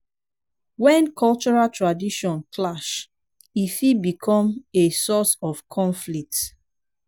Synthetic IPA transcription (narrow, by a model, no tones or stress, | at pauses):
wɛ̃nkʰɔlt͡ʃɔɹaltʰɹadiʃɔ̃nklaʃ | ifibikʰɔ̃mesɔsɔfkʰɔ̃ɱflik̚t